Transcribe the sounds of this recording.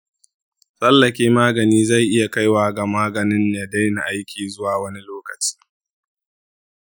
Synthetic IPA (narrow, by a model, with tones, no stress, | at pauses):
sɐ˦lːɐ˨kʲeː˦maː˦ɡɐ˨niː˦za˦˨jʔɪ˦ja˨ka˦jwaː˨ɡa˨maː˦ɡɐ˨nɪ˦nja˨da˦jna˨ʔa˦jkʲiː˨zʊ˦waː˨wɐ˦ni˦loː˦kɐ˨t͡ʃi̥ː˦